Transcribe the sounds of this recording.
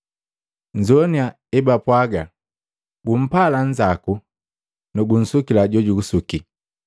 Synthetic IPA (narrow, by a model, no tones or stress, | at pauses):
ɲd͡ʒɔnia | ɛbapwaɡa | ɡum̩palaɲd͡ʒaku | nɔɡun̩sukilaɟɔɟuɡusuki